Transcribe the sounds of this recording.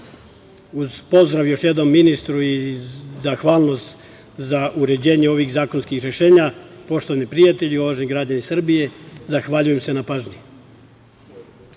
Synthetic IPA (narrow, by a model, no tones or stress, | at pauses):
uz̥po̞zd̪ɾaʋjo̞ʃje̞d̪no̞mːinist̪ɾuizaxʋaːlˠno̞st̪ | zaʔuɾe̞d͡ʑe̞ːɲeo̞ʋixzaːkonskixɾeʃe̞ːɲapo̞ʃt̪oanipɾijat̪eʎio̞ʋaʒniɡɾad͡ʑanisr̩bije̞zaxʋaʎuje̞mse̞napaʒɲi